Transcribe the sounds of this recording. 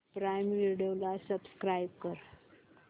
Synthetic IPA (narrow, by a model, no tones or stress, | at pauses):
pɾajmliɖelasəbskɾajb̚kəɾ